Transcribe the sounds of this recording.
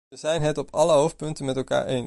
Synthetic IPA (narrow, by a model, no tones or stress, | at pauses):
əzɛjnɦɛtɔpɑləɦowf̚pɵntənmɛtɛlˠka̰ːɹʔejn